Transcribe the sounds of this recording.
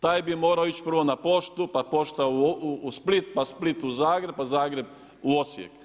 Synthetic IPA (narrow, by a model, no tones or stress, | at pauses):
t̪aːjbimo̞ːɾaoit͡ʃpr̩ʋonapo̞ʃt̪upapo̞ʃt̪auːsplit̪̚pasplit̪uzaːɡɾeb̚pazaːɡɾe̞b | uo̞sjḛk